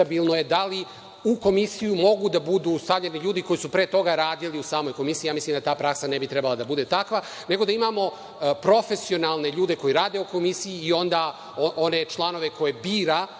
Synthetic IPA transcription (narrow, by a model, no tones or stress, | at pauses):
abilˠno̞je̞d̪ali | uko̞misijumo̞ɡud̪abud̪uːst̪avʎʲeniʎuːd̪iko̞jisupɾeːt̪o̞ɡaɾaːd̪iliusaːmo̞jko̞misiːjaːmislimd̪at̪aːpɾaksanebit̪ɾɛbalad̪abud̪e̞t̪akʋa | ne̞ɡo̞d̪aimamo̞ | pɾo̞fe̞sio̞nalˠne̞ʎuːd̪e̞ko̞jiɾaːd̪e̞uko̞misiiːo̞nd̪a | ʔo̞ne̞t͡ʃlˠano̞ʋe̞ko̞jebiːɾa